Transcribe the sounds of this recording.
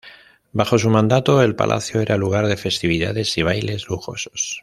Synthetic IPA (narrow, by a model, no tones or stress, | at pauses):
baxo̞s̬umãnd̪at̪o̞e̞lpa̰lʔa̰θjoe̞ɾaluɣ̞aɾðe̞fe̞st̪iβ̞iða̰ðe̞siβ̞ajle̞zluxo̞̰so̥s